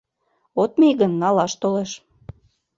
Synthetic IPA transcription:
ot̪̚meɣənːɑlɑʃt̪oleʃ

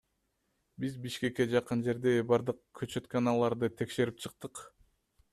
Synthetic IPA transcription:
bizbiʃke̞kːe̞d͡ʒɑqɯnd͡ʒe̞ɾd̪e̞bɑɾd̪ɯqkʰøt͡ʃø̞t̪kanɑlˠɑɾd̪ɯt̪ʰe̞kʃe̞ɾip̚t͡ʃʰɯqt̪ɯq

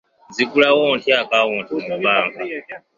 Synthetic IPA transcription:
d͡zikulawɔɔntʰɛakaɔntʰɔmuɓaːŋka

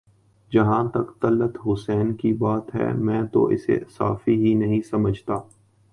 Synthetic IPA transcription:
d͡ʒɐɦãːt̪ɐkt̪ɐlːət̪ɦʊsɛːnkibaːt̪ɦɛ̰ːmɛ̃ːt̪o̰ʔɪ̰sḛsa̰ːfiɦinɐɦĩsɐməd͡ʒʱt̪aː

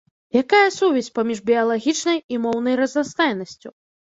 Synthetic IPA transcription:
jakajɐsuvʲɛsʲpamʲiʐbʲiɐlˠaɣʲit͡ʂnɐjimɔwnɐjrɐznast̪ajnɐsʲt͡sʲu

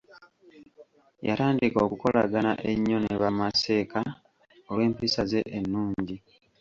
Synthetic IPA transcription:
ja̰ɾaːndikoːkuko̞la̰ɡana̰ʔeɲːo̞neβamase̞ːka | owe̞ːmpisaze̞̰ʔenːuːɲɟi

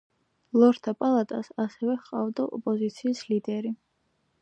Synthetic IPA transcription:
lˠɔɾt̪ʰapʼalˠat̪ʼasasɛvɛχqʼavd̪aʔɔpʼɔzit̪sʰiːslid̪ɛɾi

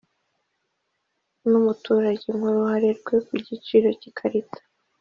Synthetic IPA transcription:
numutuːɾaɟeŋuɾuhaɾeɾɡwe̞kuɟit͡ʃiːɾo̞cikʰaɾitʰḁ

